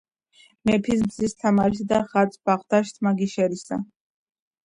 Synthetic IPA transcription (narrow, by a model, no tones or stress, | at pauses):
mɛpʰis̬bzist̪ʰamaɾsid̪aχat̪sʰbaʁd̪aʃt̪ʰmaɡiʃɛɾisa̰